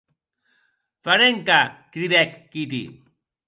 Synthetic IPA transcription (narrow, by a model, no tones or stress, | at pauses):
pɐɾeŋkakɾid̪ekːit̪ḭ